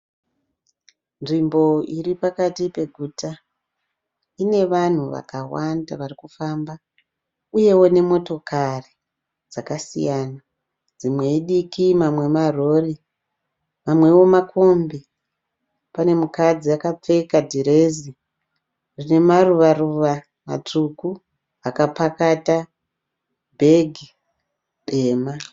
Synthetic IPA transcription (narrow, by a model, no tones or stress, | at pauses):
nʐimbo̞iɾipakatipe̞ɡʱuːta | ine̞ʋan̤uʋa̰kawanda̰ʋarikufaːmba | uje̞wo̞ne̞mo̞to̞kʰari | d͡zakasḭjaːna | d͡zimwe̞iɗikimamwe̞maro̞ri | mamwe̞wo̞makʰo̞mbe | pane̞mukad͡ziakap͡fe̞kadʱiɾe̞ːzi | rine̞maruʋaruʋa | ma̰tuku | akapakata | bʱe̞ɡʱi | ɗeːma